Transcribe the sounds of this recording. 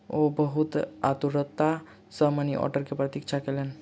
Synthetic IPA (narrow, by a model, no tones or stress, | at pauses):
obɔɦut̪a̰t̪uɾɔt̪ːa | samaniʔɔ̰ɾʈəɾkepɾɔt̪ikt͡ʃʰakelen